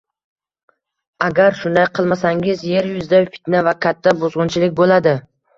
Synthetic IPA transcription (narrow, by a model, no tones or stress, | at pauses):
aɡʲaɾʃʊnd̪ajqʰɨlˠmasaŋɪzje̞ɾjʊzd̪afɪ̥t̪navakʲʰat̪ʰːabozʁʊnt͡ʃʰɪlɪk̚ʲbolad̪ɪ